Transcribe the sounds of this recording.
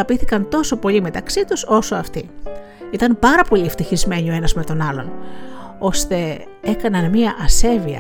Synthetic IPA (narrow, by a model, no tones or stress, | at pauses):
ɐpiθikɐnt̪o̞so̞po̞lime̞t̪ɐksit̪uso̞soɐft̪i | it̪ɐnpɐɾɐpo̞ʎieft̪içizme̞ɲio̞e̞nɐzme̞t̪o̞nɐlo̞n | o̞st̪e̞ | e̞kɐnɐnmiɐʔɐse̞viɐ̰